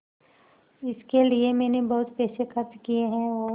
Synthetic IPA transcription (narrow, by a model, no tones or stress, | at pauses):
ɪskeliemɛːnebɐɦʊt̪pɛːsekɐɾt̪kieɦɛ̃ɔː